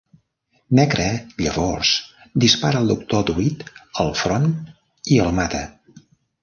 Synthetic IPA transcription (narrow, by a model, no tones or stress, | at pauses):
nɛɡɾɛʎəβɔrsd̪ispaɾəːlˠd̪uk̚t̪od̪uit̪əlˠfɾon | iəlˠmat̪ə